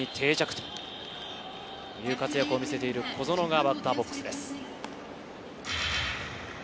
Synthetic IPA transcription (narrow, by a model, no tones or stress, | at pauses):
it̪ʰe̞ːt͡ɕakɯ̥t̪o̥ | jɯ̟ːkat͡sɨjakɯo̞mʲise̞t̪e̞iɾɯ̟kʰo̞zo̞no̞ɡabat̪ːabo̞kːɯ̥sɨd̪e̞sɨ̥